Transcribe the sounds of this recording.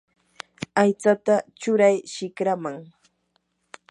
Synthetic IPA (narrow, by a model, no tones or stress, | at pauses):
ajt͡sat̪at͡ʃʊɾajʃɪkɾamaŋ